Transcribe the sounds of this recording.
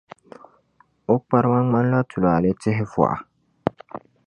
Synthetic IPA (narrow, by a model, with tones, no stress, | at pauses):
o˦k͡pa˦ɾma˦ŋ͡ma˦n˦la˦tʰu˨la˨le˦tɪ˦ɦɪ˦fwa̰˨ʔa˨